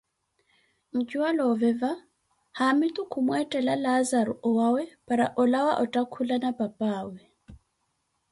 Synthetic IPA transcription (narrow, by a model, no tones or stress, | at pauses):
ŋ̩kʼiwalɔvɛva | hamit̪ʼukʰumwɛtʼɛlalazaɾɔ̰ʔɔwawɛpʼaɾaʔɔlawaʔɔtʼakʰulanapʼapʼaːwɛ